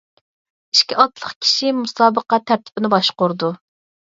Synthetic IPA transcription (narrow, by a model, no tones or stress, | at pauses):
iʃkʲiʔɑt̪lˠəχkʲʰi̥ʃimusɑːbəqɑt̪ʰːæɾt̪ʰɪ̥pɪnɪbɑʃqʊɾd̪u